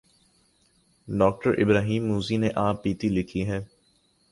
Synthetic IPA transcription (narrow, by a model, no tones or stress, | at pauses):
ɖɔːk̚ʈəɾʔɪ̰bɾaːɦiːmːuːzineʔãːpːiːt̪ilɪkʰiɦɛː